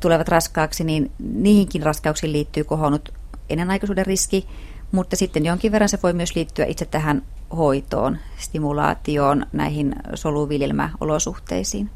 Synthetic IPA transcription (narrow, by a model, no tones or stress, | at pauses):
t̪uleʋɑt̪rɑskɑːksiniːnniːhiŋkinrɑskɑuksiːliːt̪ːyːkohonut̪ | ḛnːenɑikɑsuːderriski | mut̪ːɑsit̪ːenjoŋkiʋʋerːɑnseʋoimyøsliːt̪ːyæ̰ʔit̪set̪t̪æɦæn | hoit̪o̰ːn | st̪imulɑ̰ːt̪ioːnnæ̰ihinsoluʋiljelmæ̰o̰losuht̪ḛisiːn